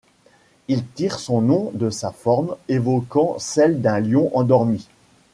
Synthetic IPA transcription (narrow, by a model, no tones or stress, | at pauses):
ilt̪iʁsɔ̃nɔ̃d̪əsafɔʁmevɔkɑ̃sɛld̪ɛ̃ljɔ̃ʔɑ̃d̪ɔʁmi